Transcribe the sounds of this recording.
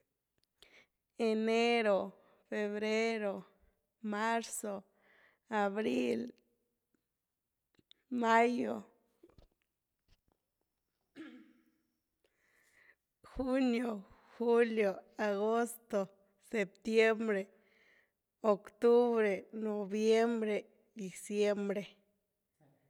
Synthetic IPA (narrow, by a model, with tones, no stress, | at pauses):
e˨ne˦ɾo˨ | fe˧βɾe˦ɾo˨ | ma˦ɾso˨ | a˨βɾi˦l | ma˦jo˨ | xu˦njo˨xu˦ljo˨a˨ɣo˦st̪o˨ | se˨p̚t̪je˦mbɾe˨ | o˨kt̪u˦βɾe˨no˨bje˦mbɾe˨ | d̪i˨sje˦mbɾe˨